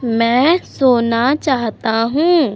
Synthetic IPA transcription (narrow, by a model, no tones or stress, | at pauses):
mɛ̃ːsoːnat͡ʃaːɦt̪aɦũː